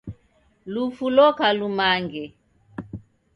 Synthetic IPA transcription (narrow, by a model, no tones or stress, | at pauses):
lufulɔkalumaŋɡɛ